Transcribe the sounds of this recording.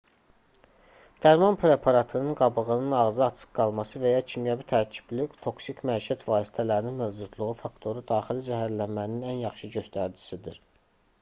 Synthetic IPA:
d̪̥æɾmɑnpʰɾe̞pʰɑɾɑt̪ʰɯnɯnɡɑbɯɣɯnɯnɑɣzɯɑt͡ʃʰɯ̥qɡɑlˠmɑsɯvæjɑcʰimjæbit̪ʰæɾcʰi̥blykt̪ʰo̞ksicʰmæʃæt̪ʰvɑːsi̥t̪ʰælæɾininmøvd͡ʒud̪lˠuʁufɑkt̪ʰo̞ɾud̪ɑːxilizæɦæɾlænmæninænjɑχʃɯɟø̞st̪æɾd͡ʒi̥sid̪iɾ

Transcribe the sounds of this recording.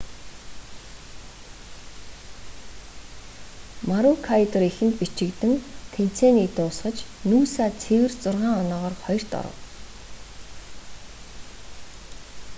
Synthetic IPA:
maɾukʰajt̪ɔɾixɘ̆nt̪pit͡ɕɪ̆kt̪ɘ̆ŋk̪ʰen̥t͡sʰeːniːk̚t̪ʊːsχə̆t͡ɕnuːsaːt͡sʰewɘ̆rt͡sʊrʁaːŋɔnɔːʁɔːrχɔjɞ̆r̥t̪ɔ̰ɾə̰̆w

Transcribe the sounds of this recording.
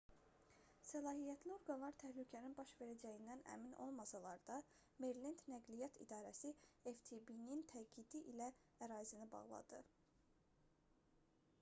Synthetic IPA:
sælˠɑːɦijæt̪ʰlio̞ɾɡɑnlˠɑɾt̪ʰæhlycʰæninbɑʃve̞ɾæd͡ʒæjind̪ænæ̰mino̞̰lˠmɑsɑlˠɑɾd̪̥ɑ | me̞ɾlind̪næɡlijɑt̪ʰḭd̪ɑːɾæsieft̪ʰibinint̪ʰæɟid̪iʔilæ | æɾɑːzinɯbɑ̰ɣlˠɑ̰d̪ɯ

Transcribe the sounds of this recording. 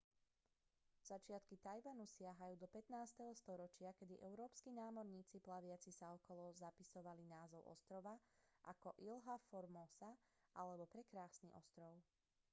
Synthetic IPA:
z̥at͡ʃɪat̪kit̪ajʋanusɪaɦajuːd̪ɔpɛt̪naːst̪ɛɦɔst̪ɔɾɔt͡ʃɪakɛd̪iʔɛʊɾɔːpskinaːmɔɾɲiːt͡siplaʋɪat͡sisaɔkɔlɔzapisɔʋalinaːzɔʊʔɔ̰st̪ɾɔʋaʔakɔʔilɦafɔɾmɔsaʔalɛbɔpɾɛkɾaːsniʔɔst̪ɾɔʊ

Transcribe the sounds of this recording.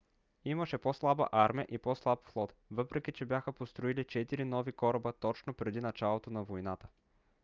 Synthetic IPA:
iməʃɛposlˠabə̰ʔaɾmiəʔipɔslˠapflˠɔt̪vɤpɾɛk̟it͡ʃɛbjaxəpost̪ɾoilit͡ʃɛt̪iɾinɔvikɔɾɐbət̪ɔt͡ʃnopɾɛd̪inɐt͡ʃalˠot̪onɐvojnat̪ə̥

